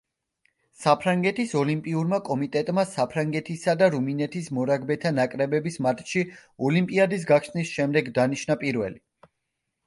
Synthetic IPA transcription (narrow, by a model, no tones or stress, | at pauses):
sapʰɾaŋɡɛt̪ʰisɔlimpʼiuɾmakʼɔmit̪ʼɛt̪ʼmasapʰɾaŋɡɛt̪ʰisad̪aɾuminɛt̪ʰismɔɾaɡbɛt̪ʰanakʼɾɛbɛbismat̪ʼʃiɔlimpʼiad̪is̬ɡakʰʃnisʃɛmd̪ɛɡd̪aniʃnapʼiɾvɛ̰li